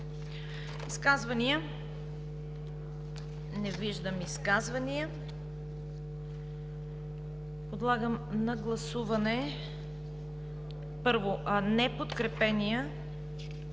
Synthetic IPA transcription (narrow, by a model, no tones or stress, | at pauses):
iskazvɐnijə | nɛviʒd̪əmiskazvɐnijə | pod̪lˠaɡəmnɐɡlˠɐsuvɐnɛ | pɤɾvoʔnɛpot̪kɾɛpɛnijə